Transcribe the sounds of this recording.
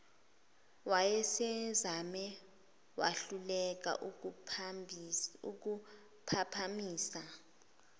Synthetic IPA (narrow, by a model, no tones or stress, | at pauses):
wajɛsɛzamɛ | waɬulɛk̬a̰ʔu | uk̬u | pʰapʰamiːsa